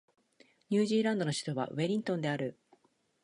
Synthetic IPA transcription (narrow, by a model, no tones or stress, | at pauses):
ɲʲɨːʑiːɾãnd̪o̞no̞ɕi̥t̪o̞βa̰βe̞ɾʲĩnt̪õ̞nd̪e̞aɾɯ̟